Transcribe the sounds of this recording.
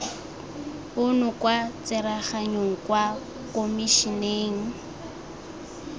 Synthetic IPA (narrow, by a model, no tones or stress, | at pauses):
ʊnʊkwat͡sɪɾaχaɲoŋ̩kwa | komiʃineːŋ̩